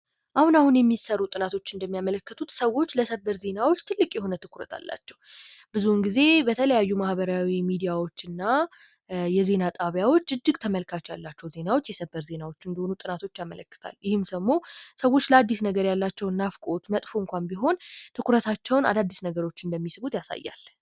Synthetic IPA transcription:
ʔahunahunjɛmːisərːut̪ʼɨnat̪ʰo̞t͡ʃːɨnd̪əmːijamələkːət̪ʰut̪səwo̞t͡ʃːləsəbəɾze̞nawo̞t͡ʃːt̪ʰɨlːɨkʼjɛho̞nət̪ʰɨkʰuɾət̪ʰa̰lːa̰t͡ʃːɛw | b̥ɨzunɡize̞bət̪ʰələjajːumahbəɾawimid̪ijawo̞t͡ʃːɨnːa | jɛze̞nat̪ʼaβjawo̞t͡ʃːɨd͡ʒːɨɡt̪ʰəməlkʰat͡ʃːja̰lːat͡ʃːɛwze̞nawo̞t͡ʃːjɛsəbːəɾze̞nawo̞t͡ʃːɨnd̪əhonut̪ʼɨnat̪ʰo̞t͡ʃːjamə̰ləkːɨ̥t̪ʰa̰ljɪhɨmsəmːo̞səwːo̞t͡ʃːləad̪ːisnəɡəɾjalːat͡ʃːɛwɨnːafkʼot̪mət̪ʼfoɨŋkʷambiɦo̞nt̪ʰɨkʰuɾət̪ʰat͡ʃːɛwna̰d̪ad̪ːisnəɡəɾo̞t͡ʃːɪnd̪əmːisɨbut̪jasa̰jːa̰l

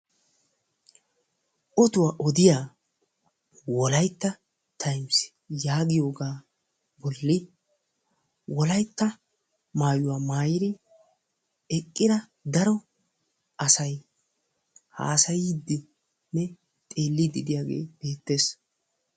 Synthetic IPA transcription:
ʔɔt̪ʊwaːʔɔd̪ɪjaː | wɔlɐjt̪ːɐ | t̪ʰɐjms | jaːɡɪjo̞ːɡaː | bɔlːɪ | wɔlɐjt̪ːɐ | maːjʊwaːmaːjɪɾɪ | ɛkʼːɪd̪ɐ | d̪ɐɾɔ | ɐsɐj | ha̰ːsɐjd̪ːɪ | nɛ | t̪ʼeːlːid̪ɪd̪ɪjaːɡḛːb̥e̞ːt̪ːe̞ːs

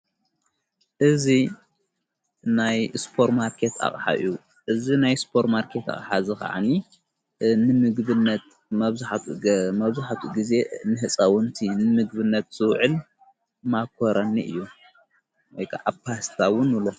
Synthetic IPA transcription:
ʔɨzi | najspʰo̞ɾmaɾkʰet̪a̰χʼħa̰ʔɨ̰ju | ʔɨzinajspʰo̞ɾmaɾkʰe̞t̪a̰χʼħazɨka̰ʕa̰ni | nɨmɨɡbɨnːɐt̪ | mɐβzaħmɐβzaħat̪ʰuɡize̞nɨhɨt͡sʼɐwɨnt̪ʰinɨmɨɡbɨnːɐt̪z̥ɨwʕɨl | makʰoɾɐnːiʔɨ̰jːu | wɔjkʰa̰ʔapʰast̪ʰawʊnulo

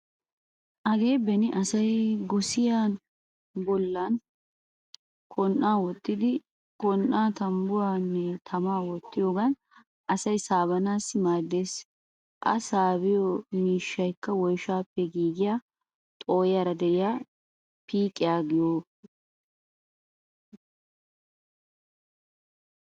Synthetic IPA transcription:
ʔɐɡe̞ːbɛnɪʔɐsɐjɡɔsɪjaːn | bɔlːɐn | kʰʼɔnʔːaːwɔt̪ːɪd̪ɪ | kʼɔnʔːaːt̪ɐmbʊwaːnːɛt̪ʰɐmaːwɔt̪ːɪjoːɡɐn | ʔɐsɐjsaːbɐnaːsːɪmaːd̪ːeːs | ʔɐ̰saːbɪjɔmiːʃːɐjkːɐwɔjʃaːpːɛɡiːɡɪjaː | t̪ʼo̞ːjaɾɐd̪ɛʔɪjaː | piːkʼːɪjaːɡɪjoː

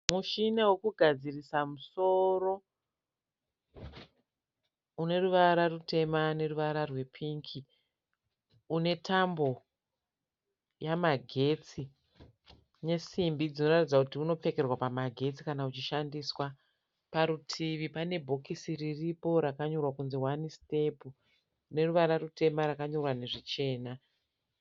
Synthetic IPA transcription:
muʃinewekuɡʱad͡zirisamuso̞ro̞ | une̞ruʋaɾarute̞mane̞ruʋaɾarwe̞pʰiŋkʰi | une̞tʰambo̞ | jamaɡʱe̞t͡si | ne̞simbid͡zino̞ratid͡zakutiuno̞p͡fe̞ke̞rwapamaɡʱe̞t͡si̥kanaut͡ʃiʃandiswa | paɾutʰiʋipane̞bʱo̞kisiriripo̞ɾakaɲo̞rwakunziwaniste̞pu | ne̞ruʋaɾarute̞maɾakaɲo̞rwane̞ʐit͡ʃe̞ːna

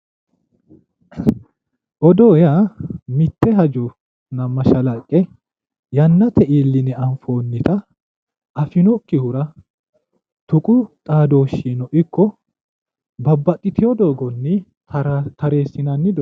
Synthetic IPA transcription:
ʔɔd̪oːjamɪt̪ːɛɦɐd͡ʒɔ | nɐmːɐʃɐlɐkʼːɛ | jɐnːɐt̪ʰɛʔiːlːɪnɛɐnfo̞ːnːɪt̪ɐ | ʔɐfɪnɔkːɪhʊɾɐ | t̪ʊkʼʊt̪ʼaːd̪o̞ːʃiːnɔʔɪkːɔ | bɐbːɐt̪ʼːɪt̪ɪjɔd̪oːɡɔnːɪ | t̪ɐɾe̞ːsːɪnɐnːɪd̪

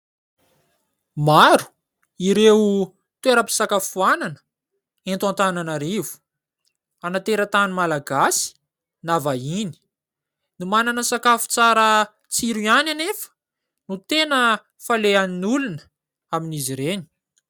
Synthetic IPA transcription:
maɾu̥ | iɾeu | t̪ueɾəpi̥sakafuananə̥ | ent̪ant̪ananaɾivu̥ | anat̪eɾət̪animalaɡasi̥ | navaini̥ | numananəsakafu̥t͡saɾə | t͡siɾuananefə̥ | nut̪enə | faleaninulunə̥ | aminiziɾeni̥

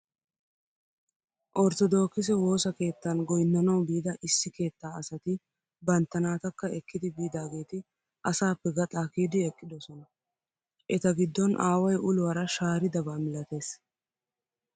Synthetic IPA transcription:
ʔɔɾt̪ɔd̪o̞ːkːɪs̬ɛwo̞ːsɐke̞ːt̪ːɐnɡɔjnːɐnɐwbiːd̪ɐʔɪsːɪke̞ːt̪ːaːɐsɐt̪ɪ | bɐnt̪ːɐnaːt̪ɐkːɐɛkːɪd̪ɪbiːd̪aːɡe̞ːt̪ɪ | ʔɐsaːpːɛɡɐt̪ʼaːkiːd̪ɪɛkʼːɪd̪ɔsɔnɐ | ʔɛt̪ɐɡɪd̪ːɔnʔaːwɐjʔʊlʊwɐɾɐʃaːɾɪd̪ɐbaːmɪlɐt̪e̞ːs

